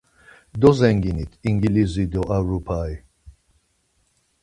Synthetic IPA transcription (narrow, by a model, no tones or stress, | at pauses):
d̪ɔzɛŋɡinit̪ʰiŋɡilizid̪ɔʔaɾupʰaj